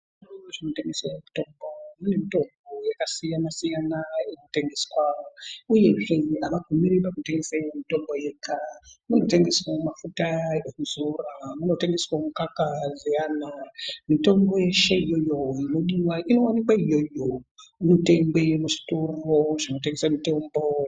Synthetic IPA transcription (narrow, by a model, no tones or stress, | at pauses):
aʐino̞teŋɡesaku̥to̞mbomunemito̞mbo̞jakasijanasijanaenote̞ŋɡeskwawouje̞ʐeaʋaɡumiɾipakute̞ŋɡe̞saiwomito̞mbo̞jekʰamuno̞te̞ŋɡe̞swamafutaekuzoramuno̞te̞ŋɡe̞swamukakazijanamito̞mbo̞jeʃeijo̞jo̞jenoɗiwaʔino̞wanikwaijo̞jomute̞mbe̞muʃi̥toroʐino̞t̬eŋɡesamito̞mbo